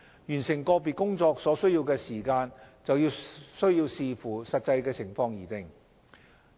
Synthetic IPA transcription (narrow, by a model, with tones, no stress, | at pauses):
jyː˨˩nsɪ˨˩ŋkɔː˧p̬iː˨t̚kʊ˥ŋt͡sɔː˧k̚sɔː˨˥sɵ˥ɥjiː˧wkɛː˧siː˨˩kaː˧nt͡sɐ˨wjiː˧wsɵ˥ɥjiː˧wsiː˧fuː˨˩sɐ˨t̚t͡sɐ˧jkɛː˧t͡sʰɪ˨˩ŋfɔː˧ŋjiː˨˩t̪ɪ˨ŋ